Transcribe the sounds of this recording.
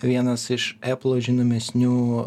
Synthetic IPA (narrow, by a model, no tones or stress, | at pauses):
ʋʲiɛnɐsɪʃæplˠoːʒʲɪnoːmʲɛsʲnʲuː